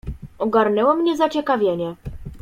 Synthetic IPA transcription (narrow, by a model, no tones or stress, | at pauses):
ɔɡaɾnɛwɔmɲɛzat͡ɕɛkavʲjeɲɛ